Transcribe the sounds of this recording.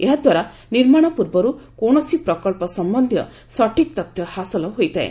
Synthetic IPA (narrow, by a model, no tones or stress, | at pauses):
eɦad̪waɾa | niɾmaɽ̃ɔpuɾbɔɾukoɽ̃ɔsipɾɔkɔɭpɔsɔmbɔnd̪ʱjɔ̰ | sɔʈik̚t̪ɔt̪jɔhasɔlɔɦojt̪ʰaḛ